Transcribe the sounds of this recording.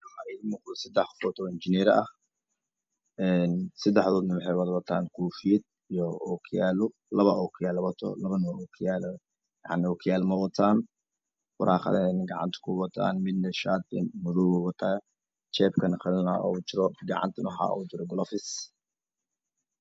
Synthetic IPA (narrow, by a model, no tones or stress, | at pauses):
ħɑɾimʊqd̪ɔsɐd̪ɛħfɔːt̪ʰɔɪnt͡ʃɪnɛːɾɐ̰ʔɐh | ɛnsɐd̪ɛħðɔːd̪nɐwɑħɛjwɑðwɐt̪ʰaːnkʰuːfɪjɛd̪̚ | ijɔɔkʰjaːlʊ | lɐβɐɔkʰɪjaːlɐβɐt̪ʰɔ̰lɐβɐnɔkʰɪjaːl | jɑ̰ʕnɪɔkʰɪjaːlmɐwɐt̪ʰaːn | fʊɾaːχɑ̰ðɛːnɐɡɑʕɑ̰nt̪ʰɐ̥kʰʊwɑt̪ʰa̰ːnmɪd̪nɐʃaːd̪̚ɪnmʊðuwʊwɐt̪ʰaː | t͡ʃɛːbkʰɐnχɪlnaʔɔ̰t͡ʃɪɾɔɡɑ̰ʕɑ̰nt̪ʰɐnħɑ̰ːɔ̰ːt͡ʃɪɾɔɡɔlɔfɪs